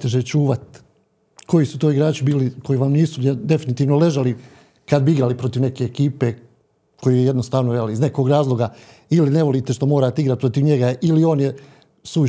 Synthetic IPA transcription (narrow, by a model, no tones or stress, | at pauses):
t̪eʒet͡ʃuːʋat̪ | kʰo̞jisut̪o̞ːiɡɾaːt͡ʃibiːlikʰo̞jiʋamniːsued̪e̞finit̪iːʋnole̞ʒali | kad̪̚biiɡɾaːlipɾo̞t̪iʋne̞ke̞ːkiːpe̞ | kʰo̞jejed̪nost̪aːʋnojelizne̞ko̞ɡɾaːzlˠo̞ɡa | iline̞ʋo̞liːt̪e̞ʃt̪omoːɾaːt̪eiɡɾat̪̚pɾo̞t̪iʋɲe̞ɡailio̞ːnje | su